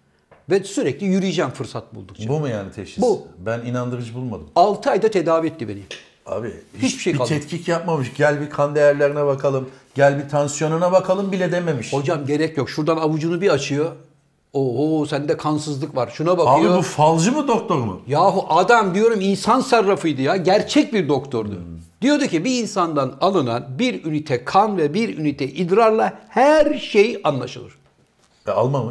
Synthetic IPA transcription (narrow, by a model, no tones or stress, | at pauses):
vɛsyɾɛclʲijyɾyjid͡ʒæmfɯɾsat̪̚bṵlˠd̪ukt͡ʃbumujaːnit̪ʰɛʃibbubæninand̪ɯɾɯd͡ʒbulˠma̰d̪ɯmalˠt̪ʰɯajd̪at̪ʰe̞d̪aːviɛt̪ːibe̞ni | a̰bihit͡ʃbiʃejikalˠd̪ʰɛt̪cʰicjap̚mamɯʃɟælʲbikʰand̪ejæɾlʲeɾinɛbakʰalˠɯmɟælʲbit̪ʰansjo̞nunabakʰalˠɯmbilʲɛd̪eme̞miʃho̞d͡ʒamɟe̞ɾɛcjo̞kʃuɾd̪anabud͡ʒunubiat͡ʃʰɯjo̞ | oɦosænd̪ɛkʰansɯzlˠɯkvaɾʃunabaaɯjbiobufalˠd͡ʒɯmɯd̪ok̚t̪ʰo̞ɾmṵjaɦuʔad̪amd̪ijo̞ɾuminsansaɾːafɯjd̪ɯjaɟæɾt͡ʃʰɛc̚biɾd̪o̞kt̪ʰo̞ɾd̪ʊ̰ | d̪̥ijo̞d̪ucibiinsand̪analˠɯna̰nbiɾynit̪ʰɛkʰanvɛbiɾynit̪ʰɛʔid̪ɾaɾlˠahæɾʃejanlˠaʃɯlˠɯ̰ɾ̥ | ɛa̰lˠmamɯʃ